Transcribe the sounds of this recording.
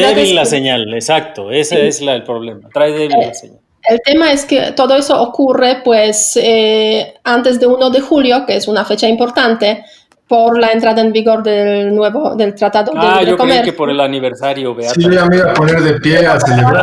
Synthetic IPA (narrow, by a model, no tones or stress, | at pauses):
eβilaseɲalesak̚t̪oeseezlaelpɾoβlemat̪ɾajðeβaseɲa | elt̪e̞maeskḛt̪o̞ðoeso̞ʔːkure̞pwese | ant̪e̞zd̪euno̞ðexuljo̞keesunafe̞t͡ʃaimpo̞ɾt̪ant̪e̞ | po̞ɾlaent̪ɾaðaembiɣo̞ɾd̪elnweβod̪e̞lt̪ɾat̪aðod̪enɾeokoɾmeɾkeoɾelaniβeɾsaɾjoβeasieameaponeɾðepjeaseleβɾa